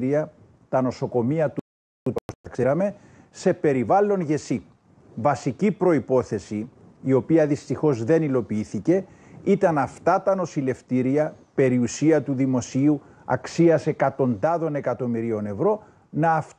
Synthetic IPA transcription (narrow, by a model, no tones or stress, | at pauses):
ɾiɐ | t̪ɐno̞so̞ko̞miɐt̪ | ukseɾɐme̞ | se̞pe̞ɾivɐlːo̞nʝe̞si | vɐsicipɾo̞ipo̞θe̞siː | o̞piɐðist̪ixo̞zðe̞nilo̞piiθice̞ | it̪ɐnɐft̪ɐt̪ɐno̞sile̞ft̪iɾiɐpe̞ɾiusiɐt̪uðimo̞siu | ɐ̰ksiɐse̞kɐt̪o̞nd̪ɐðo̞ne̞kɐt̪o̞miɾio̞ne̞vɾo̞ | nɐːf